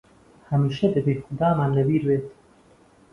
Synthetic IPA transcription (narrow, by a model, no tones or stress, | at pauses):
hɐmiːʃɐd̪ɐbexʊd̪aːmaːnlɐbiːɾbeːt̪